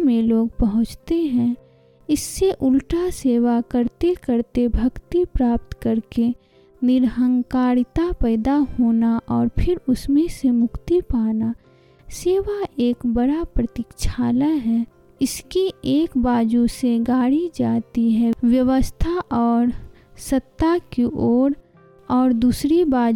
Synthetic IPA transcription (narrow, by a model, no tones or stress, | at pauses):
mẽloːɡpɐɦʊ̃t͡ʃt̪eɦɛ̃ | ɪsːeʔʊlʈaseːʋakəɾt̪ekəɾt̪ebʱɐkt̪ipɾaːp̚t̪kɐɾke | nɪɾɦə̃ŋɡkaːɾt̪apɛːd̪aɦoːnaʔɔːɾpʰɪɾʊsmẽsemʊkt̪ipaːna | seːʋaeːkbɐɽapɾət̪ɪkʃʰaːlaɦɛː | ɪskieːkbaːd͡ʒuseɡaːɽid͡ʒaːt̪iɦɛʋjəʋəst̪ʰaʔɔːɾ | sɐt̪ːakiʔoːɾ | ɔːɾd̪uːsɾibaː